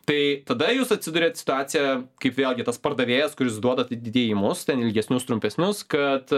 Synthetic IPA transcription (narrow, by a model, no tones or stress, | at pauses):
t̪ɐɪt̪ɐd̪ɐjuːsɐtʲsʲɪd̪ʊɾʲeːt̪sʲɪ̥t̪ʊaːt̪sʲɪjɛkɐɪpʋʲeːlʲˠɡʲɪt̪ɐspɐrd̪ɐʋʲeːjɛskʊɾʲɪsd̪uɔd̪ɐt̪ʲid̪ʲɪd̪ʲeːjɪmʊst̪ʲɛnɪlʲɡʲɛsʲnʲʊst̪ɾʊmʲpʲɛsʲnʲʊskɐt̪